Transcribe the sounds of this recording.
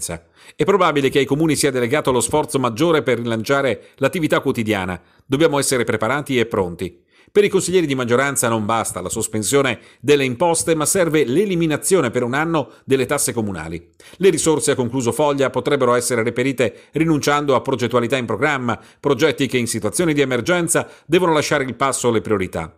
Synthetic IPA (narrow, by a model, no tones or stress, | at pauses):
sa̰ | ɛpːɾobabilekeajkomuːnisiːad̪eleɡaːt̪oalosfɔrt̪somad͡ʒːoːɾeperːilant͡ʃaːɾelat̪ːivit̪akːwot̪id̪ja̰ːna̰ | d̪objaːmoɛsːeɾepɾepaɾaːt̪iepːɾont̪i | peɾikonsiʎːɛːɾid̪imad͡ʒːoɾant̪sanombast̪alasospensjoːne | d̪elːeimpɔst̪emasɛrveleliminat̪sːjoːnepeɾunanːod̪elːet̪asːekomuna̰ːlḭ | leɾisorseakːoŋkluːzofɔʎːapot̪ɾɛbːeɾoɛsːeɾeripeɾiːt̪erinunt͡ʃand̪oapːɾod͡ʒet̪ːwalit̪aimpɾoɡɾamːa | pɾod͡ʒɛt̪ːikeinsit̪wat̪sjoːnid̪iemerd͡ʒɛnt̪sad̪ɛːvonolaʃːaːɾeilpasːolepɾioɾit̪a̰